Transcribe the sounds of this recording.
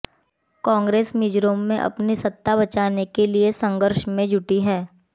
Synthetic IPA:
kɔ̃ːŋɡɾeːsmiːd͡ʒɾõːmːẽʔɐ̰pnisɐt̪ːaβɐt͡ʃaːnekeliesɐ̃ŋɡəɾʃmẽd͡ʒʱʊʈiɦɛː

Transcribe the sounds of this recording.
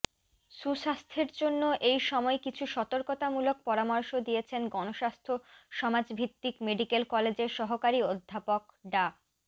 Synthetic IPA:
ʃuʃast̪ʰeɾd͡ʑonːoʔejʃɔmɔekit͡ɕʰuʃɔt̪oɾkot̪amulok̚pɔɾamɔɾʃod̪ijet͡ɕʰenɡɔnoʃast̪ʰoʃɔmad͡ʑbʱit̪ːikmeɖikelkɔled͡ʑeɾʃɔɦokaɾiod̪ʱːapokɖa

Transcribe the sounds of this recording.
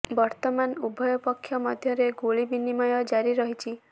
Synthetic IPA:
bɔɾt̪ɔmanubʱɔjɔpɔkʰːjɔmɔd̪ʱjɔɾeɡoɭibinimɔjɔd͡ʒaɾiɾɔɦit͡ʃʰi

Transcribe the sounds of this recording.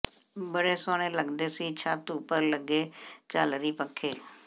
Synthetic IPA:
bəɽeːsoːɽ̃eːləɡd̪eːsiːt͡ʃʰaːt̪upəɾləɡeːt͡ʃaːlɾiːpəkʰːeː

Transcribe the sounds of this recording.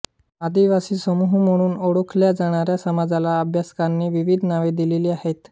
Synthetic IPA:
ad̪iʋasiːsəmuɦuməɽ̃uːnoɽokʰljad͡zaɽ̃aɾjasəmad͡zalaəbʱjaskanːiːʋiʋid̪ʱnaʋed̪ileliːaɦet̪

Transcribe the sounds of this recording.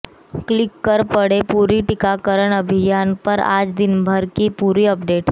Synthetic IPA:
klikːəɾpəɽepuɾiʈikakəɾəɳ̃əbʱijanpəɾa̰d͡zd̪inbʱəɾkipuɾiːəpɖeʈ

